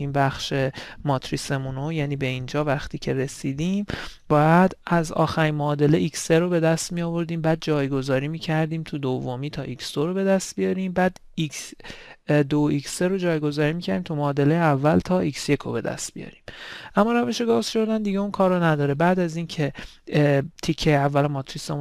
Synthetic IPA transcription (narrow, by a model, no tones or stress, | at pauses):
ʔiːnbæxʃe̞mɒːt̪ʰɾise̞munojæːniːbe̞ind͡ʒɒːvæxt̪ʰiːcʰe̞ɾe̞siːd̪iːmbɒːjæd̪æzɒ̰ːxæɾimoːd̪e̞leicseɾo̞be̞d̪æst̪mijɒːvo̞ɾd̪iːmbæːd̪̚d͡ʒɒːjɡo̞zɒːɾiːmiːcʰæɾd̪iːmt̪ʰud̪ovːomiːt̪ʰɒːʔiksd̪o̞ɾobe̞d̪æst̪̚bijɒɾiːmbæːd̪ | iks | d̪oikseɾo̞d͡ʒɒːjɡo̞zɒːɾiːmicʰæɾd̪imt̪ʰumɒːd̪e̞lejeævːælt̪ʰɒːicsje̞kʰo̰be̞d̪æ̰st̪̚bḭjɒ̰ɾiːmʔæmːɒːɾæve̞ʃe̞ɡɒːz̥ʃo̞ɾd̪ænd̪iɡeunkʰɒːɾonæd̪ɒːɾebæd̪æziːncʰe̞ | t̪ʰicʰːejeævːælomɒt̪ʰɾisemu